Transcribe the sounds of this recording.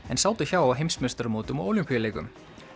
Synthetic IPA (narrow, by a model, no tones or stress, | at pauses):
ɛnsaːwt̪ɪçawawɦejmsmɛst̪ʏɾmoːt̪ʏmɔowlʏmpijaleːjkʏ̰m